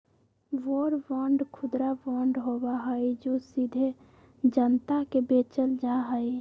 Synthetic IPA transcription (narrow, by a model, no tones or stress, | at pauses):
ʋoɾʋəɳɖkʰud̪ɾaʋəɳɖɦobaɦəjd͡ʒosid̪ʱe | d͡ʒənt̪akebet͡ʃəld͡ʒaɦəj